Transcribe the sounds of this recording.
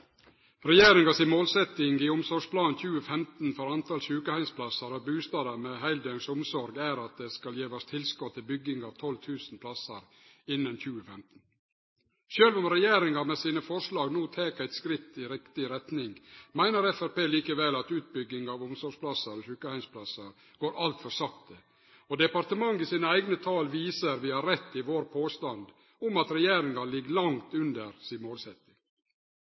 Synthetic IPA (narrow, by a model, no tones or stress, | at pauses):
ɾɛjeːɾɪŋɡɑsɪnmoːlsɛt̪ɪŋɡiːʊmsɔʂpʰlɑːnçʉːəfɛmt̪n̩fɔɾɑnt̪ɑlʃʉːkəhæɪnspʰlɑsəɾɔbʉːst̪ɑːd̪əmɛɦæɪld̪œŋsʊmsɔɾɡæɾɑt̪̚d̪eːskɑljeːʋɑst̪ʰɪlskɔt̪ʰːɪlbʏɡɪŋɑːʋt̪ʰɔlt̪ʰʉːsn̩pʰlɑsəɾ | ɪnːənçʉːəfɛmt̪n̩ | ʃøːlʋɔmɾɛjeːɾɪŋɑmɛsiːnəfɔʂlɑːɡnuːt̪ʰeːkæɪt̪skɾɪt̪ːɪɾɪkt̪ɪɾɛt̪nɪŋmæɪnəɾɛfæɾpeːliːkəʋɛlɑt̪ʉːt̪̚bʏɡːɪŋɑːʋʊmsɔɾʂpʰlɑsəɾɔçʉːkəhæɪnspʰlɑsɑɾ | ɡ̥oːɾʔɑlt̪fɔɾsɑkt̪ə | od̪ɛpɑɾt̪əmɑŋːɪsiːnəæɪɡnət̪ʰɑːlʋiːsəɾʋɪhɑɾɛt̪ːɪʋoːɾpʰoːst̪ɑnd̪ | ʊmɑt̪ɾɛjeːɾɪŋɑlɪɡlɑŋt̪ʉnd̪əɾsiːmoːlsɛt̪ɪŋ